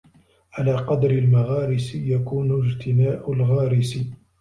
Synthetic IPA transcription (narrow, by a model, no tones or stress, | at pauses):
ʕalaːqɑd̪ɾɪlmaɣɑːɾɪsɪjakuːnʊd͡ʒt̪ʰɪnaːʔʊlɣɑːɾɪsɪ